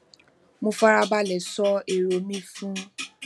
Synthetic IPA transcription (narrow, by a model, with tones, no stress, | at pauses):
mũ˦fa˦ɾa˦ba˦lɛ˨sɔ˦e˨ɾo˨mĩ˦fũ˦